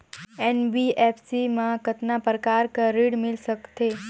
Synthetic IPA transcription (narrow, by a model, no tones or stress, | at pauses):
ɛnbiepʰsimãkət̪napəɾəkaɾkəɾiɽmɪlʃəkt̪e